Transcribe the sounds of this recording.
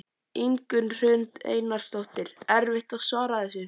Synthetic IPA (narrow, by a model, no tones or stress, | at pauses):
iŋkʏnr̥ʏnt̪ḛːjnaɾ̥st̪owht̪ɪl̥ɛɾvɪht̪aðsvaːɾaθɛs̬ʏ